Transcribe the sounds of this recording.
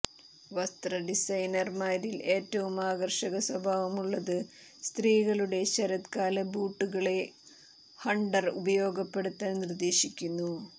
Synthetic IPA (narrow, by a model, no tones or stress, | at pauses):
ʋɐst̪rɐɖisɐjnɐrmaːɾile̞ːtːɐʋumaːɡɐrʂɐɣɐswɐbʱaːʋɐmuɭːɐðɨ | st̪riːɣɐɭuɽe̞ɕɐɾɐt̪kaːlɐbuːʈːuɣɐɭe̞ | hɐɳɖɐrṵbɐjo̞ːɡɐpːe̞ɽut̪ːaːlnird̪e̞ːɕikʲːunːu